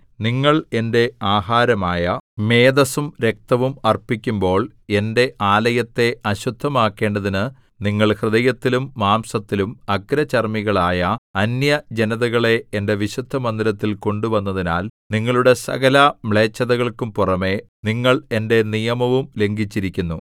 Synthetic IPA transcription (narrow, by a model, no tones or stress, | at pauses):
niŋːɐɭe̞nde̞aːɦaːɾɐmaːjɐme̞ːd̪ɐsumɾe̞k̚t̪ɐʋumɐrpikʲːumbo̞ːɭ | e̞nde̞ʔaːlɐjɐt̪ːe̞ɐɕud̪ʱːɐmaːkːe̞ːɳɖɐðinɨ | niŋːɐɭhrɨðɐjɐt̪ːilumːaːmsɐt̪ːilumɐɡɾɐt͡ɕɐrmiɣɐɭaːjɐɐnjɐd͡ʑe̞nɐðɐɣɐɭe̞ːnde̞ʋiɕud̪ʱːɐmɐnd̪iɾɐt̪ːilko̞ɳɖuʋɐnːɐðina̰ːlniŋːɐɭuɽe̞sɐ̰ɣɐlɐmɭe̞ːt͡ɕːɐðɐɣɐɭkumpurɐme̞ | niŋːɐɭe̞nde̞nijɐmɐʋumle̞ŋɡit͡ɕːiɾikʲːunːu